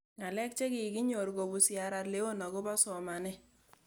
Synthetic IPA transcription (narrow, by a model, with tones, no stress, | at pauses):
ŋa˨lɛ˦k̚t͡ʃe˦ki˨ɡi˦ɲo˨ɾɡo˨bu˨sja˨ɾa˨tle˦wo˦na˨ɣʊ˦ba˦sɔ˨ma˨nɛ˦